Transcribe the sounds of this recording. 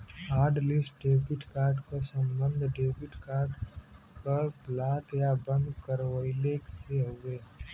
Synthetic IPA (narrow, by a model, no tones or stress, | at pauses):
aːɾɖlisʈ̚ɖeːbɪʈkaːɾɖkasə̃mbə̃nd̪ʱɖeːbɪʈkaːɾɖ | pəɾplaːkjabə̃nd̪kəɾʋəɪlekseɦoeː